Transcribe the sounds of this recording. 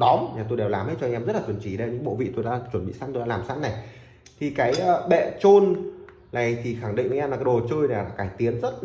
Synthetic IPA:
ɗɔ˨˦mɲaː˨˩t̪o˧jɗɛ˨˩wlaː˨˩mha˨˦jt͡ɕɔ˧ŋʔɛ˧mzə˦˥t̚la˨˩wə˨˧˩nt͡ɕi˧˩ɗə˧ɲɨ̰˧˥ŋɓo̰˧˨vḭ˧˨t̪o˧jɗa̰ː˧˥t͡ɕwə˧˩nɓḭ˧˨saː˧˥nt̪o˧jɗ̰aː˧laː˨˩msa˧˥nna˨˩j | t̪ʰi˨˩kaː˨˦jːɓɛ̰˧˨t͡ɕo˧n | na˨˩jt̪ʰi˨˩xa˧˩ŋɗḭ˧˨ŋʔŋʔmaː˨˩kːa˨˦ɗo˨˩t͡ɕəː˧jnaː˨˩˨kaː˧˩jt̪i˨˦ənzə˦˥t̚

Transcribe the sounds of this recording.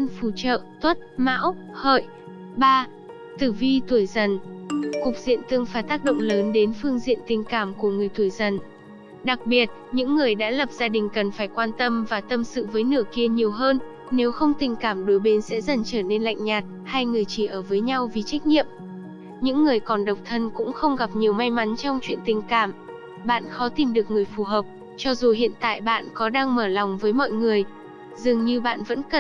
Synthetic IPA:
ə˧nfu˧˩t͡ɕə̰ː˧˨t̪ʰwə˦˥t̚ma̰ː˧˥w | hə̰ː˧˨jʔ | ɓaː˧ | t̪ɨ˧˩vi˧t̪u˧˩əjzə˨˩nkʊ˨˩k͡p̚z̥ḭ˧˨ənt̪ɨ˧əŋfaː˧˩t̪aː˦˥k̚ɗo̰˧˨ŋ͡mləː˨˦nɗe˨˦nfɨ˧əŋzḭ˧˨ənt̪ï˨˩ŋ̟kaː˧˩mku˧˩əŋɨ˨˩əjt̪ʰu˧˩əjzə˨˩n | ɗa˨˩k̚ɓi˨˩ət̚ɲɨ̰˧˥ŋːɨ˨˩əjɗa̰ː˧˥lə˨˩p̚z̥aː˧ɗï˨˩ŋ̟kə˨˩nfaː˧˩jkwaː˧nt̪ə˧mvaː˨˩t̪ə˧msɨ̰˧˨vəː˨˦jnɨ˧˩əki˧əɲi˨˩əwɦəː˧nː | e˨˦wxə˧wŋ͡mt̪ï˨˩ŋ̟kaː˧˩mɗo˨˦jɓe˨˦nsɛ̰˧˥zə˨˩nt͡ɕəː˧˩ne˧nla̰˧˨jŋ̟ɲaː˨˩t̚ | ha˧jŋɨ˨˩əjt͡ɕi˧˩ʔəː˧˩vəː˨˦jɲa˧wvi˨˩t͡ɕa˦˥jk̟̚ɲḭ˧˨əm | ɲɨ̰˧˥ŋːɨ˨˩əjkɔ˨˩nɗə˨˩wk͡p̚t̪ʰə˧nkʊ̰˧˥ŋ͡mxə˧wŋ͡mɣa˨˩p̚ɲi˨˩əwma˧jma˨˦nt͡ɕɔ˧wŋ͡mt͡ɕwḭ˧˨ənt̪ï˨˩ŋ̟kaː˧˩m | ɓa̰ː˧˨nxɔ˨˦t̪i˨˩mɗɨ˨˩ək̚ŋɨ˨˩əjfu˧˩ɦəː˨˩p̚ | t͡ɕɔ˧zu˨˩hḭ˧˨ənt̪a̰ː˧˨jɓa̰ː˧˨nkɔ˨˦ɗaː˧ŋməː˧˩lɔ˨˩wŋ͡mvəː˨˦jmɔ̰˧˨jŋɨ˨˩əj | zɨ˨˩əŋɲɨ˧ɓa̰ː˧˨nvə̰˧˥nkə˨˩

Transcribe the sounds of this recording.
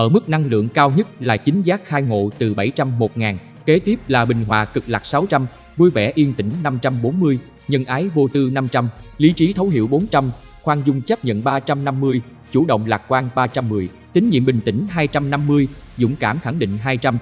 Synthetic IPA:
ʔəː˧˩mɨ˦˥k̚na˧ŋlɨ̰˧˨əŋkaː˧wɲə˦˥t̚laː˨˩t͡ɕï˨˦ŋ̟zaː˦˥k̚xaː˧jŋo̰˧˨t̪ɨ˨˩ɓa˧˩jt͡ɕa˧mːo˨˩t̚ŋaː˨˩n | ke˨˦t̪i˦˥p̚laː˨˩ɓï˨˩ŋ̟ɦwa̰ː˧˨˩kɨ˨˩k̚laː˨˩k̚sa˨˦wt͡ɕa˧m | vu˧jvɛ̰˧˩ʔi˧ənt̪ï˧˩ŋ̟na˧mt͡ɕa˧mɓo˨˦nmɨ˧əj | ɲə˧nʔaː˨˦jvo˧t̪ɨ˧na˧mt͡ɕa˧mli˨˦t͡ɕi˨˦t̪ʰə˨˦wɦḭ˧˨əwɓo˨˦nt͡ɕa˧m | xwaː˧nzʊ˧ŋ͡mt͡ɕəː˦˥p̚ɲə̰˧˨nɓaː˧t͡ɕa˧mna˧mːɨ˧əj | t͡ɕu˧˩ɗə̰˧˨wŋ͡mlaː˨˩k̚kwaː˧ŋɓaː˧t͡ɕa˧mːɨ˨˩əj | t̪ï˨˦ŋ̟ɲḭ˧˨əmɓï˨˩ŋ̟t̪ï˧˩ŋ̟ɦaː˧jt͡ɕa˧mna˧mːɨ˧əjzʊ̰˧˥ŋ͡mkaː˧˩mxa˧˩ŋɗḭ˧˨ŋ̟ɦaː˧jt͡ɕa˧m

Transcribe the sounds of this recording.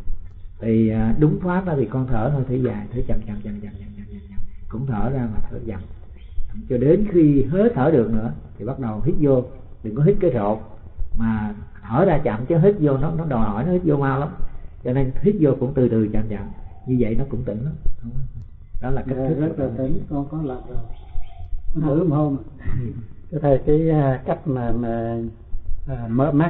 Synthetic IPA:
t̪ʰi˨˩˨ɗʊ˨˦ŋ͡mfaː˦˥t̚aː˨˦t̪ʰi˨˩kɔ˧nt̪ʰəː˧˩t̪ʰəː˧jt̪ʰi˨˦zaː˨˩jt̪ʰɨ˨˦t͡ɕa̰˧˨˩mt͡ɕa̰˧˩mt͡ɕa̰˧˨mt͡ɕa̰˧˨˩mt͡ɕa˧˨mt͡ɕa̰˧˨mt͡ɕa̰˧˨mt͡ɕa̰˧˨mkʊ̰˧˥ŋ͡mt̪ʰəː˧˩zaː˧maː˨˩t̪ʰə̰ː˧˩˦t͡ɕa˨˩˨m | t͡ɕa˧˨mt͡ɕɔ˧ɗe˨˦nxi˧ɦe˨˦˥j̚t̪ʰəː˧˩ɗɨ˨˩ək̚nɨ̰˧˥ət̪ʰi˨˩ɓa˦˥t̚ɗə˨˩wɦi˦˥t̚zo˧ | ɗɨ˨˩ŋkɔ˨˦ɦi˦˥t̚kaː˨˦zo̰˧˨ | maː˨˩t̪ʰəː˧˩zaː˧t͡ɕa̰˧˨mt͡ɕɔ˨˦ɦi˦˥t̟̚zo˧nɔ˨˦nɔ˨˦ɗɔ˨˩jhɔ˧˩jnɔ˨˦hi˦˥t̚zo˧maː˧wla˨˦mt͡ɕɔ˧ne˧nhi˦˥t̟̚zo˧kʊ̰˧˥ŋ͡mt̪ɨ˨˩t̪ɨ˨˩t͡ɕa̰ː˧˨mt͡ɕa̰˧˨m | ɲɨ˧və̰˧˨jnɔ˨˦kʊ̰˧˥ŋ͡mt̪i˧˩˦nla˨˦wŋ͡mə˧wŋ͡m | ɗɔ˨˦laː˨˩ka˦˥k̚t̪ʰɨ˦zə˦˥k̚lə˨˩˨t̪i˨˦nkɔ˧nkɔ˨˦lə˨˩p̚zɔ˨˧˩ | ɔ˨˧˦ɨ˨˦mho˧m˨ | t͡ɕɔ˨˦t̪ʰə˨˩kaː˨˦jka˦˥jk̚maː˨˩maː˨˩˨ | mə̰ː˧˨maː˦˥

